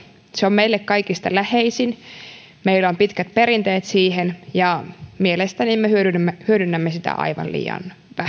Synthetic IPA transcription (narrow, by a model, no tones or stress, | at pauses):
seomeilːekkɑikist̪ɑlæheisin | meilompit̪kæt̪̚peɾint̪eːt̪siːhenjɑmielest̪ænimmehyødynmːehyødynːæmːesit̪æ̰ʔɑ̰iʋɑ̰llḭːjɑ̰n | ʋæ